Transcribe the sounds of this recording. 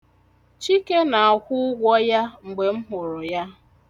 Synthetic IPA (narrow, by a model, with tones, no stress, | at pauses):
t͡ʃi˦ke˦na˨a˨kʷʊ˦ʊ˦ɡʷɔ˦ja˦ŋ͡m̩˨ɡ͡be˨m̩˦ɦʊ˨ɾʊ˨ja˦